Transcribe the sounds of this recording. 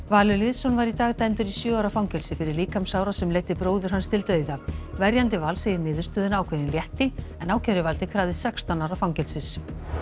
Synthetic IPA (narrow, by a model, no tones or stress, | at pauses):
vaːlʏlɪːðsɔnvaɾit̪aːɣt̪ajmt̪ʏɾisjœːawɾafawŋcɛlsɪfɪɾɪɾliːkamsaːwɾasɛmleːjt̪ɪpɾoːwðʏɾ̥ɦanst̪ʰɪlt̪œːɥðavɛɾjant̪ɪvalsejɪnɪːðʏɾst̪œːðʏnaːwkʰvɛːðɪnljɛht̪ɪɛnaːwcʰɛɾɪvalt̪ɪkʰvɾaːðɪsɛkst̪anaːwɾafawŋcɛlsɪs